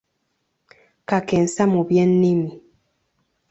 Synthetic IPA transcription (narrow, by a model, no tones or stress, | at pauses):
kakɛn̩samubjɛnːimi